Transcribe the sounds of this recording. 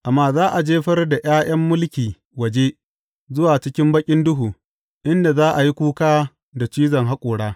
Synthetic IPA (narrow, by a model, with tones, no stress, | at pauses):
ʔa˨mːaː˦zaː˦ʔa˨d͡ʒeː˦ɸɐ˦rda˨j̰aː˦j̰ɐ˦mːʊ˦lkʲiː˨ | wɐ˨d͡ʒe˦ | zʊ˦waː˨t͡ʃɪ˦kʲɪ˦mbɐ˦kʲʼɪ˦ndʊ˦ɦuː˨ | ʔɪ˦nda˨zaː˦ʔa˨ji˦kʷuː˦kaː˦ | da˨t͡ʃiː˦zɐ˨ŋɦa˦kʷʼʊː˨ɽaː˦